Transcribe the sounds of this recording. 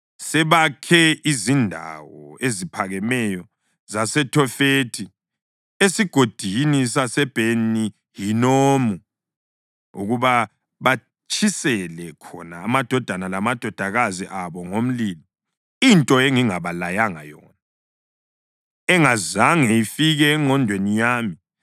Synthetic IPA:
sɛβakʰɛizindʱa̰wɔezipʰaɣɛmɛjɔ | zasɛtʰɔfeːtʰi | esiɡ̥ʱod̥ʱinisasɛb̥ʱeni | jinoːmu | ṵɣuβa | βa | t͡ʃʰisɛlɛkʰɔ̰naːmad̥ʱɔd̥ʱanalamad̥ʱɔd̥ʱaɣaziʔaβɔŋom̩lili | intʼɔeŋiŋaβalajaŋa̰jɔːna | ɛŋazaŋɛifiɣɛːŋ͡ǃʱɔndʱwenijaːmi

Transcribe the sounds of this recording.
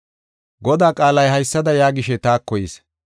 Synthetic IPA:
ɡɔd̪aːkʼaːlɐjhɐjsːɐd̪ɐjaːɡɪʃɛt̪aːkːɔjiːs

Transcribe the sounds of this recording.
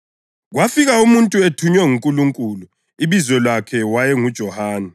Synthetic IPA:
ɣwafiɣaumuntʼuetʰuɲwɛŋuŋkʼuluŋkʼulu | iβizwɛlwakʰɛwajɛŋud̥ʒ̥ʱɔhaːnɛ

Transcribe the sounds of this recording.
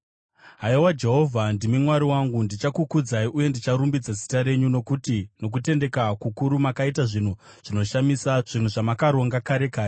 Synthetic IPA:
ɦaiwad͡ʒe̞ɦo̞vʱandimimwaɾiwaŋɡundit͡ʃakukud͡zaiʔuje̞ndit͡ʃaɾumbid͡zasi̥taɾe̞ɲuno̞kutino̞k̬ute̞nde̞kakukuɾumakaitaʐin̤u | ʐ̥ino̞ʃamisaʐ̥in̤uʐamakaɾo̞ŋɡakaɾe̞kaːje

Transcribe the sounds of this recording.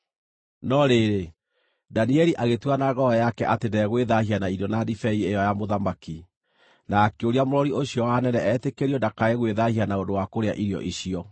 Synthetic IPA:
nɔɾeɾe | daniɛɾiʔaɣetwanaɣɔɔjakɛʔatendɛɣweðahianaiɾɔnadifɛiejɔjamoðamaki | naːkeoɾiamoɾɔɾioɕiɔwanɛnɛɛtekeɾiɔndakaeɣweðahianaondowakoɾea̰ʔiɾjɔ̰ʔiɕiɔ

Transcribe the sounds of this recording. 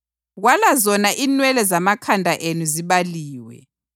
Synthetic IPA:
ɣwalazɔnaʔinwɛlɛzamakʰandʱaʔenuziβaliːwɛ̰

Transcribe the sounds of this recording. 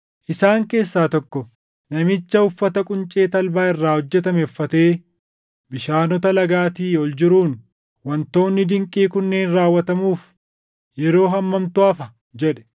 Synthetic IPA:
ʔɪsaːŋke̞ːsːaːt̪ɔkːɔ | nɐmɪt͡ʃːɐʊfːɐt̪ɐkʼʊnt͡ʃʼe̞ːt̪ɐlbaːɪrːaːhɔd͡ʒːɛt̪ɐmɛfːɐt̪e̞ː | bɪʃaːnɔt̪ɐlɐɡaːt̪iːɔld͡ʒɪɾuːn | wɐnt̪o̞ːnːɪd̪ɪŋkʼːiːkʊnːeːnɾaːwːɐt̪ɐmuːf | jɛɾo̞ːɦɐmːɐmt̪ʊɐfɐ | d͡ʒɛᶑɛ̥

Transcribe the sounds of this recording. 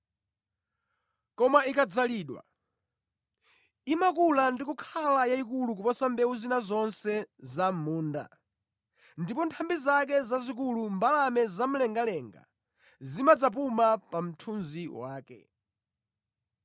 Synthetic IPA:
kɔmaikad͡zaliːɗwa̰ | imakulandikukʰalajaikuluk̬upɔsambɛuzinazɔnsɛzamuːnda̰ | ndipɔntʰambizak̬ɛzazik̬ulumbalamɛzam̩lɛŋɡalɛːŋɡa̰ | zimad͡zap̬umapam̩tʰunziwaːkɛ̰

